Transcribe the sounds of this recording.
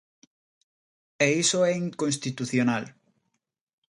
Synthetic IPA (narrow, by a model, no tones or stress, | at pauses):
eisoɛiŋkõnst̪it̪uθjonal